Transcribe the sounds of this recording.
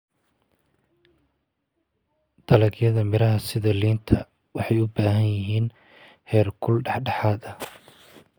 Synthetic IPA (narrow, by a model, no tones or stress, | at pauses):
d̪̥ɐlɐɡjɐðɐmɪɾɐɦɐsɪðɐliːnt̪ʰɐ | wɑħɑjʊbaːɦɐnjɪɦiːn | hɛːrkʰʊlɖɑħɖɑħaːðɐ